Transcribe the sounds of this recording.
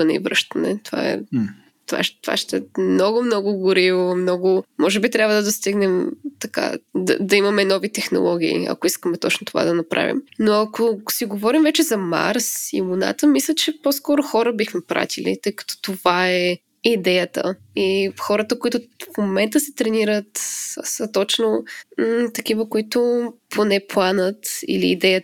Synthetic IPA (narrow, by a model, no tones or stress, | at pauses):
ənɛḭvɾə̰ʃt̪ɐənɛ̰t̪ova̰ɛ̰ | t̪ova̰ʃt̪va̰ʃt̪ɛmnɔɡʊmnɔɡʊɡʊɾivomnɔɡʊmɔʒɛbit̪ɾʲjabvəd̪ɐd̪ost̪iɡnɛmt̪ɐka̰d̪ɐ̰d̪ɐimɐmɛnɔvit̪ɛxno̰lˠɔɡ̟ʲiḭɐ̰koiskəmɛt̪ɔ̰t͡ʃnot̪ova̰d̪ɐnɐpɾa̰vḭmnoɐkosiɡovɔɾimvɛt͡ʃɛzɐma̰ɾsḭmuna̰t̪əmislʲət͡ʃɛposkɔɾʊxɔɾəbixmɛpɾa̰t̪ilḭt̪əjkɐ̥t̪ɔ̥t̪ovaɛ | id̪ɛjət̪ə̰ixɔɾət̪əkoit̪ʊfmomɛnt̪əsɛt̪ɾɛniɾət̪sət̪ɔt͡ʃno | t̪ɐkivəkʊit̪ʊpʰonɛplˠanət̪ḭlḭːd̪ɛjə